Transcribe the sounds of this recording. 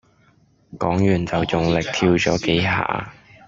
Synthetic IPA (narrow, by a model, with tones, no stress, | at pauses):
kɔː˨˥ŋjyː˨˩nt͡sɐ˨wt͡sʊ˨ŋlɪ˨k̚t̪ʰiː˧wt͡sɔː˨˥ke˨˥jɦa̰ː˨˥